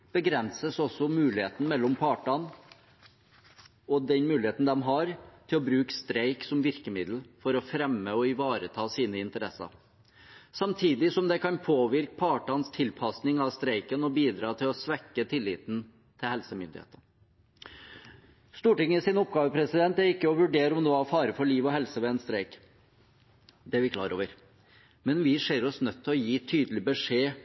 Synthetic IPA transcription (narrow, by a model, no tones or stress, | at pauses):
b̥əɡɾɛnsəsɔsɔmʉːlɪheːt̪n̩mɛlːɔmpʰɑːʈɑn | ɔd̪ɛnmʉːlɪheːt̪n̩d̪ɛmɦɑɾt̪ʰɪlɔbɾʉːkst̪ɾeɪksɔmʋɪɾkəmɪd̪l̩fɔɾɔfɾɛmːəɔɪʋɑːɾət̪ʰɑːsiːnəɪnt̪əɾɛsɑ̰ɾ | sɑmt̪ʰiːd̪ɪsɔmd̪ɛkɑnpʰoːʋɪɾk̚pʰɑːʈɑnst̪ʰɪlpʰɑsnɪŋɑʋst̪ɾeɪkənɔbiːd̪ɾɑːt̪ʰɪlɔsʋɛkːət̪ʰɪlːɪːt̪n | t̪ʰɪlhɛlsəmʏ̰nd̪ɪ̰hḛːt̪ə | st̪uːʈɪŋːəsɪnɔp̚ɡɑːʋəpʰɾɛsɪd̪ɛnt̪æɾɪkːəɔʋʉɖeːɾəɔmd̪ɛʋɑɾfɑːɾəfɔɭiːʋɔɦɛlsəʋɛɛnst̪ɾeɪk | d̪ɛæɾʋɪkʰlɑ̰ːɾo̰ːʋəɾ | mɛnʋɪʂeːɾɔsnœt̪ʰːɪlɔjiːt̪ʰyːd̪əlɪbəʂeː